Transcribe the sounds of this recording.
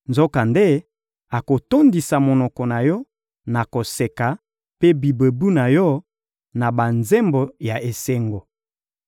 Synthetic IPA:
nzo˦ka˨nde˦ | a˨ko˨to˦ndi˨sa˨mo˨nɔ˨kɔ˨na˨jɔ˦ | na˨ko˨se˨ka˨ | pe˦bi˨be˨bu˦na˨jɔ˦ | na˨ba˨nze˦mbo˨ja˨ʔe˨se˦ŋɡo˨

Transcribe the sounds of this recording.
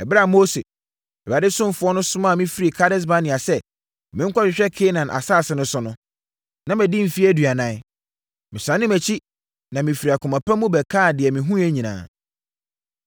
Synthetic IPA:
ɛ˨bɾa˦˨mo˦se˨ | ɛ˨a˨dɪ˦sʊ̃˦m˦fʊ˦ɔ˦nʊ̃˦sʊ˦mã˦˨mĩ˦fi˦ɾi˨kʰa˦ɾɪ˦s̬ba˦nɪ̃˨a˨sɛ˦ | mɪ̃˦ŋ̩˦kʰʷɔ˦ɕᶣɪ˨ɕᶣɛ˦kʰeː˦nã˨nʔa̰˨saː˦˨sɪ˨˦nʊ̃˦sʊ̃˦nʊ̃˦ | nã˦mæ̃˨di˦m̩˨fi˦æ˦dɥa˨nã˦ | mɪ̃˨sɾã˨˦nɪ̃˦mæ˨t͡ɕʰi˦ | nã˨mĩ˨fi˨ɾi˨a˨kʰʊ˨mã˨pʰa˦mũ˦bɛ˨kʰa˦˨dɪ˨ɛ˨mĩ˨ɦũ˦æ˦ɲĩ˨nã̰ː˨

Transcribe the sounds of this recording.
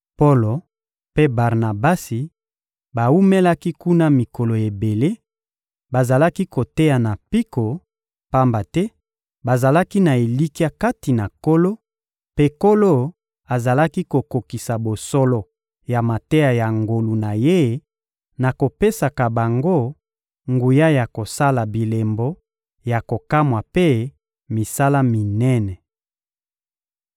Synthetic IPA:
po˦lo˨ | pe˦ba˨ʁna˨ba˦si˨ | ba˨u˦me˦la˦ki˦ku˦na˦mi˨ko˨lo˨e˨be˨le˦ | ba˨za˨la˦ki˦ko˨te˦ja˨na˨pi˦ko˨ | pa˦mba˨tɛ˦ | ba˨za˨la˦ki˦na˨e˨li˦ki˦a˦ka˦ti˨na˨ko˦lo˦ | pe˦ko˦lo˦ | a˨za˨la˦ki˦ko˨ko˨ki˨sa˨bo˨sɔ˦lɔ˨ | ja˨ma˨te˦ja˨ja˨ŋɡo˨lu˨na˨je˦ | na˨ko˨pe˦sa˨ka˨ba˨ŋɡo˦ | ŋɡu˨ja˦ja˨ko˨sa˦la˨bi˨le˨mbɔ˦ | ja˨ko˨ka˦mwa˨pe˦ | mi˨sa˦la˦mi˨nɛ˦nɛ˨

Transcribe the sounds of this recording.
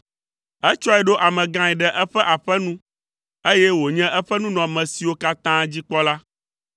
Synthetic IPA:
ɛ˦t͡ʃɔ˦ɛ˨ɖo˦ʔa˨mɛ̃˨ɡã˦ɛ˨ɖɛ˨ʔɛ˦ɸɛ˦ʔa˨ɸɛ˦nũ˦ | e˦jɛ˦wo˨ɲɛ̃˦ʔɛ˦ɸɛ˦nũ˦nɔ̃˨mɛ̃˨si˨wo˦ka˦t̪ã˦d͡ʑi˦k͡pɔ˦la˦

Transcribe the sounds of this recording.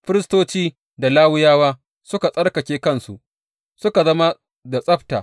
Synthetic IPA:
ɸɪ˦ɾɪ˦stoː˦t͡ʃiː˦ | da˨laː˦wʊ˦jaː˦waː˦ | sʊ˦ka˨sʼɐ˦rkɐ˨kʲeː˦kɐ˦nsu˨ʔ | sʊ˦ka˨zɐ˦ma˦ | da˨sʼɐ˦ɸta̰ː˨

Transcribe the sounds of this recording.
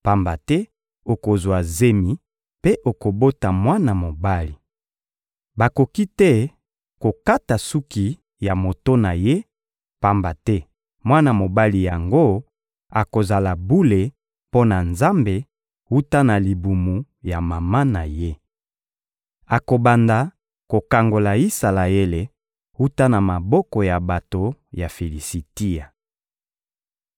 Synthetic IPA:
pa˦mba˨tɛ˦ | o˨ko˨zwa˨ze˦mi˨ | pe˦ʔo˨ko˨bo˦ta˨mwa˦na˨mo˨ba˦li˨ | ba˨ko˨ki˦tɛ˦ | ko˨ka˦ta˨su˦ki˨ | ja˨mo˨to˦na˨je˦ | pa˦mba˨tɛ˦ | mwa˦na˨mo˨ba˦li˨ja˨ŋɡo˦ | a˨ko˨za˨la˨bu˦le˨ | po˦na˨nza˦mbe˨ | hu˦ta˦na˨li˨bu˨mu˨ | ja˨ma˨ma˦na˨je˦ | a˨ko˨ba˨nda˨ | ko˨ka˨ŋɡo˨la˨i˦sa˨la˨e˦le˨ | hu˦ta˦na˨ma˨bɔ˦kɔ˨ja˨ba˨to˨ja˨fe˨li˨si˨ti˦a˨

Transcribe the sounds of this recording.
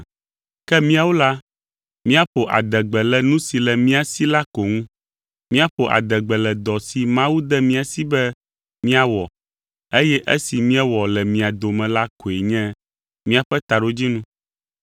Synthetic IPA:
kɛ˦mĩ˦a˨wo˦la˦ | mĩ˦a˦ɸo˨ʔa̰˨d̪ɛ˨ɡ͡bɛ˨lɛ˨nũ˦si˨lɛ˨mĩ˦a˨si˦la˦ko˨ŋũ˦ | mĩ˦a˦ɸo˨ʔa̰˨d̪ɛ˨ɡ͡bɛ˨lɛ˨d̪ɔ˨si˨mã˦wu˦d̪ɛ˦mĩ˦a˨si˦bɛ˦ | mĩ˦a˦wɔ˨ | e˦jɛ˦ʔe˦si˨mĩ˦ɛ˦wɔ˨lɛ˨mĩ˨a˨d̪o˨mɛ̃˨la˦ko˨e˨ɲɛ̃˦ | mĩ˦a˨ɸɛ˦t̪a˨ɖo˦d͡ʑi˦nũ˦

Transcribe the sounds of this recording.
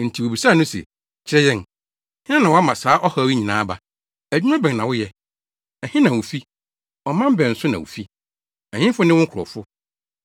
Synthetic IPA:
n̩˨tʰi˨wo˨bi˨sa˦˨nʊ̃˦sɛ̰˨ | t͡ɕʰɪ˦ɾɛ˦jɛ̃˦n˨ | hɪ̃˦n˦ã˦nã˨wa˦mã˨saː˨˦ʔɔ˦ha˦wi˦ɲĩ˨nã̰ː˦ba˨ | æ˨d͡ʑᶣi˦ã˦bɛ̃˨ŋ˨nã˨wʊ˦jɛ˦ | ɛ˨hɪ̃˦nã˨wʊ˨fi˦ | ɔ˨mã˦m˦bɛ˨n̩˨sʊ˦nã̰˨wṵ˨fi˦ | ɛ˨ɲɪ̃˦fʊ˦nɪ̃˦wʊ̃˦kʰɾɔ̰˨fʊ˦

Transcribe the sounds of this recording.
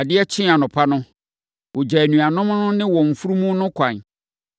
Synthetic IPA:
a˨dɪ˦ɛ˦t͡ɕʰɪ̃˦a˨nʊ̃˨pʰa˦nʊ̃˦ | wʊ˨d͡ʑa˨ɛ˨nũ˨a˨nʊ̃˦m̃˦nʊ̃˦nɪ̃˦wɔ̃˨ɱ˨fu˦ɾu˦mũ˦nʊ̃˦kʰã˨n

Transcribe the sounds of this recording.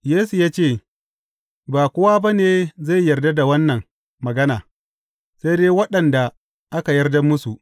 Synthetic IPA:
jeː˦su˨jaː˦t͡ʃeː˦˨ | baː˨kʷʊ˦waː˦ba˦neː˨za˦˨jːɐ˨rda˦da˨wɐ˦nːɐ˨ŋ | mɐ˨ɡɐ˦naː˨ | sa˦jdeː˦wɐ˦ɗɐ˨nda˨ | ʔa˦ka˨jɐ˦rda˦mːʊ˦su˨ʔ

